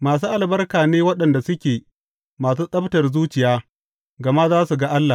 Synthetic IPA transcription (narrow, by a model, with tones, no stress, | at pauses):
maː˨s̬uː˦ʔa˨lbɐ˦rkaː˨neː˦wɐ˦ɗɐ˨nda˨sʊ˦kʲeː˨ | maː˨suː˦sʼɐ˦btɐ˨rzuː˦t͡ʃɪ˨jaː˦ | ɡɐ˨ma˦zaː˦su˨ɡa˦ʔa˦lːa˨